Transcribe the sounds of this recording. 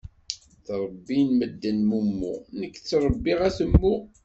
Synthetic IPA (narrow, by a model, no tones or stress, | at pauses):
θɾˤəbːinməd̪ːənmumːṵnəkːt͡sːɾˤəbːiʁæθəmːu